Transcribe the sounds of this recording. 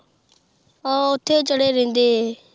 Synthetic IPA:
ãːʊt̪ʰːeːt͡ʃəɽeːɾẽːnd̪eːɦeː

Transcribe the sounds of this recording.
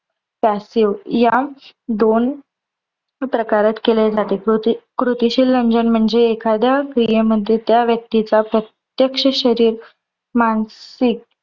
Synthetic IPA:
pæsiʋjad̪on | pɾəkaɾat̪keled͡zat̪ekɾut̪iɕiːlːəɲd͡zənm̤əɳd͡zeːkʰad̪jakɾijeməd̪ʱːjet̪jaʋjək̚t̪it͡sapɾət̪ | jəkʂəɕəɾiːɾ | mansik̚

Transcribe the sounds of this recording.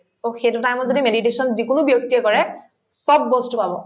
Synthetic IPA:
soxejtutajmɔzodimedit̬esɔnzikunʊbjok̚tiɛkɔɹɛ | sɔbːostʊpabɔ

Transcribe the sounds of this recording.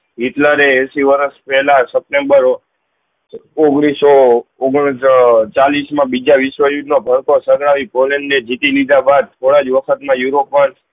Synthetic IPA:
it̪laɾeːsiʋəɾəspɛɦlasəp̚ʈembəɾ | oɡɽisooɡ | t͡ʃalismãbid͡ʒaʋisʋəjud̪nobʱəɾkosəɡɽaʋipolẽɳɖned͡ʒit̪ilid̪ʱabad̪̚t̪ʰoɽad͡ʒʋəkʰət̪mãjuɾopːən

